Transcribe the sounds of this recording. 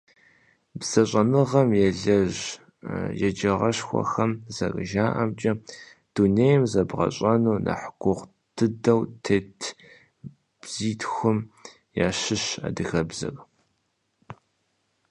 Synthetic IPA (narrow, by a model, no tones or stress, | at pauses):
bz̥ɐɕʼɐnɨʁɐmjɛɮɐʒ | jɛd͡ʒɐʁɐɕxʷɔ̰xɐmzɐ̰kʼɨ̰ʒaːʔɐmt͡ʃʼɐ | d̥uneːjmzɐbʁɐ̰ɕʼɐnuːnʔɐ̰ħɡʷʊʁ | d̥ʰɨdɐwtʰeːtʰ | bz̥iːtʰxʷʊm | jaːɕɪɕa̰ːdɨxɐbzɐ̰kʼ